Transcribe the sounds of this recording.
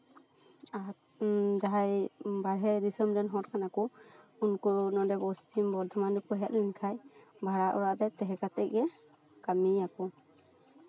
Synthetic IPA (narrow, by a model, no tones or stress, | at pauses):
a | d͡ʒaɦajbaɹɦɛdisɔmdɛnɦɔt̚kʰanakɔunkɔnɔdɛbɔstʰimbɔɾd̪ʱʰɔmandukɔɦɛʔ̚linkʰajbʱaɹaʔɔ̰ɹaʔdɛt̪ɛɦɛkat̪ɛk̚ɡɛ | kamiakɔ